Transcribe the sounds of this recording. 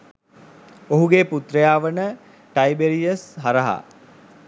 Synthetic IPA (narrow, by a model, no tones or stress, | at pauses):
oɦuɡeːput̪ɾəjaːʋənə | ʈɐjbeɾijəsɦaɾəɦa̰